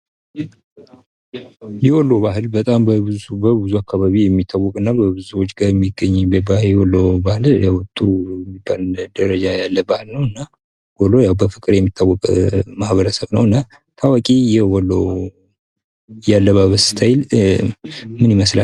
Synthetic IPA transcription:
jɛwɔlːoβaɦɨlbət̪ʼambəɨbəbɨzuakʰːaβaβijɛmːit̪ʰːawːɔkʼɨnːabəbɨzuwot͡ʃːɡaɾjɛmːiɡːəɲːbəbajɛwɔlːobahɨljawt̪ʼːumibald̪əɾəd͡ʒajalːəbahɨlnəwɨnːa | wɔlːojawbəfɨkʼɨɾjɛmːit̪ʰːawːɔkʼmahβəɾəsəβnəwɨnːa | t̪ʰawakʼijɛwɔlːo | jalːəβahβəsɨ̥t̪ʰajl | mɨniməsla

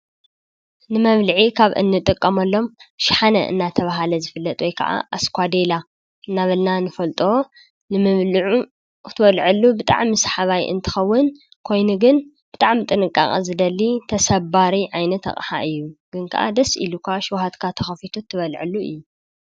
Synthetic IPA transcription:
nɨmɐβlɨʕikʰaβʔɨ̰nːɨt̪ʼɨkʼːɐmɐlːo̞mʃħanɐ̰ʔɨ̰nːat̪ʰɐβaɦalɐzɨfɨlːɐt̪ʼwɔjkʰɐ̰ʔa̰ʔaskʰʷad̪ela | ɨnːaβɐlnanɨfɐlt̪ʼo̞ | nɨmɨβlɨʕu | t̪ʰɨβɐlʕɨlːubɨt̪ʼa̰ʕmisħaβajʔɨ̰nt̪ʰɨ̥xɐwːʊn | kʰo̞jnuɡɨn | b̥ɨt̪ʼaʕmit̪ʼɨnɨkʼːa̰χʼɐ̰zɨd̪ɐlːit̪ʰɐsɐbaɾiʕajnɐt̪ʰɐ̰χʼħa̰ʔɨjːuɡ̥ɨnkʰɐ̰ʔa̰d̪ɐsḭlukʰaʃwhat̪kʰat̪ʰɐxɐfit̪ʰut̪ʰːɨβɐlʕɨ̰lːuɨjːu

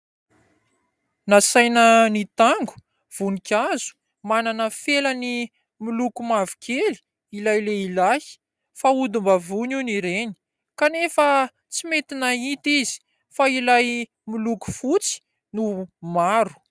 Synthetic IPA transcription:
nasajnənit̪aŋɡu̥ | v̥unikʲazu̥ | mananəfeləni | milukumavi̥kʰeli̥ | ilajleilai̥ | faud̪umbavuniniɾeni̥ | kanefə | t͡simet̪inait̪izi̥ | failaj | miluku̥fut͡si̥ | numaɾu̥

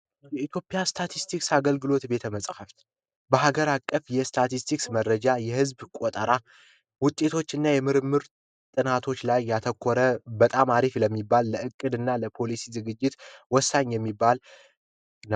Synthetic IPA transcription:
jɛit̪jo̞pʼːjast̪ʰat̪ʰist̪ʰiksaɡəlɡɨlo̞t̪be̞t̪ʰəməsʼhəft̪ | bəɦaɡəɾakʼːəfjɛst̪ʰat̪ist̪ʰiksməɾːəd͡ʒajɛhɨzbkʷʼot̪ʼəɾa | wʊt̪ʼːe̞t̪ʰo̞t͡ʃːɨnːajɛmɨɾɨmːɨɾ | t̪ʼɨnat̪ʰo̞t͡ʃːlajːat̪ʰəkʰʷːɔɾəbət̪ʼamaɾifləmːibːalːəʔɨkʼːɨd̪ɨnːaləpʰo̞lisizɨɡɨd͡ʒːɪt̪wɔsːaɲːjɛmːibːal | n

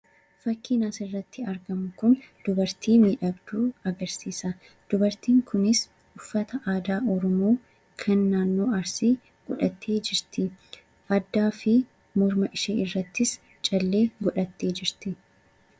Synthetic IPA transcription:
fɐkːiːnaːsɪrːɐt̪ːɪɐɾɡɐmʊkʊnd̪̥ʊbɐɾt̪iːmiːᶑɐbd̪uːɐɡɐɾsiːsɐ | d̪̥ʊbɐɾt̪iːŋkʊnɪs | ʊfːɐt̪ɐʔaːd̪aːʔɔɾɔmoː | kʰɐnːaːnːo̞ːɐɾsiː | ɡ̥ɔᶑɐt̪ʰːe̞ːd͡ʒɪɾt̪ɪ | ʔɐd̪ːaːfɪ | mɔɾmɐʔɪʃeːʔɪrːɐt̪ːɪs | t͡ʃʼɐlːeːɡɔᶑɐt̪ːe̞ːd͡ʒɪɾt̪ɪ

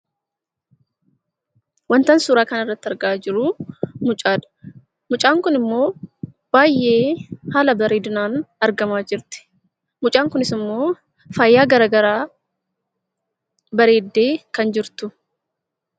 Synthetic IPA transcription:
wɐnt̪ɐnsuːɾaːkɐnɐrːɐt̪ːɐɾɡaːd͡ʒɪɾʊmʊt͡ʃʼaːᶑɐ̥ | mʊt͡ʃʼaːŋkʊnɪmːo̞ː | b̥aːjʔːe̞ːhaːlɐbɐɾeːd̪ʊnaːnɐɾɡɐmaːd͡ʒɪɾt̪ɪ̥ | mʊt͡ʃʼaːŋkʊnɪsɪmːo̞ː | faːjːaːɡɐɾaːɡɐɾaː | bɐɾe̞ːd̪ːeːkɐnd͡ʒɪɾt̪ʊ

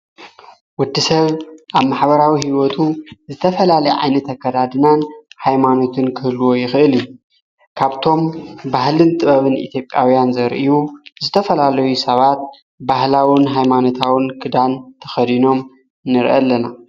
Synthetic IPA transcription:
wʊd̪ːisɐβʔaβmaħbɐɾawiɦiwot̪ʰuzɨt̪ʰɐfɐlalɐjʕa̰jnɐt̪ʰɐkːɐd̪ad̪ɨnanhajmano̞t̪ʰɨnkʰɨhlːuwo̞jɪxɨʔɨli | kʰaβt̪ʰo̞mbaɦlɨnt̪ʼɨβɐβɨnʔḭt̪ʰjo̞pʼja̰wijanzɐɾʔijuzɨt̪ʰɐfɐlalɐjusɐβat̪̚ | bahlawɨnɦajmano̞t̪ʰawɨnkʰɨd̪ant̪ʰɐ̥xɐd̪ino̞m | nɨɾʔɐ̰lːɐna

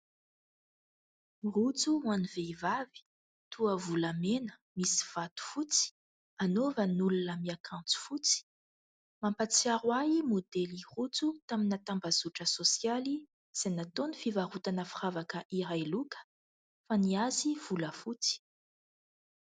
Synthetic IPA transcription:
rut͡suaniveivavi̥ | t̪uəvulamenə̥misi̥v̥at̪u̥fut͡si̥ | anovənulunəmiakʰãnt͡su̥fut͡si̥ | mampat͡siaɾwaimod̪elirut͡sut̪aminat̪ambazuʈ͡ʂəsosjali | z̥anat̪onifivaɾut̪anəfiravakəʔiɾajlukə̥ | faniaziv̥uləfut͡si̥

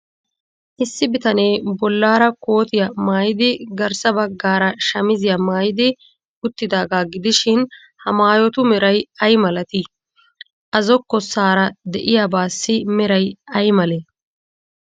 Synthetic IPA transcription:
ʔɪsːɪbɪt̪ɐneːbɔlːaːɾɐko̞ːt̪ɪjɐmaːjɪd̪ɪɡɐɾsɐbɐɡːaːɾɐʃɐmɪzɪjɐmaːjɪd̪ɪ | ʊt̪ːɪd̪aːɡaːɡɪd̪ɪʃɪn | hɐmaːjɔt̪ʊmɛɾɐjɐjmɐlɐt̪ɪ | ʔɐzɔkːɔsaːɾɐd̪ɛʔɪjabaːsːɪmɛɾɐjɐjmɐlɛ

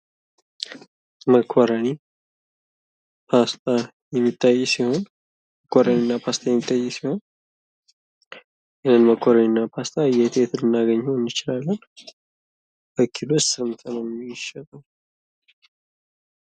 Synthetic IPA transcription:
məkʰːoɾəni | pʰast̪ʼa | jɛmːit̪ʰʼːajːɛsiho̞n | məkʰʼːoɾəninːapʰast̪ʰʼajɛmːit̪ʼːajːɛsiho̞n | ʔɨnɨnməkʰːoɾəninːapʰast̪ʼajɛt̪ʰʼet̪ʰɨlɨnːaɡəɲːəɛnːɨt͡ʃɪlalːən | bəkʰːilo̞t͡ʃːsɨmt̪ʰənəwmʃət̪ʼəw

